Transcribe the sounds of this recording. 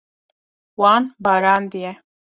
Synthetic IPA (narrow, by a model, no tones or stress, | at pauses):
waːnbaːɾaːnd̪ije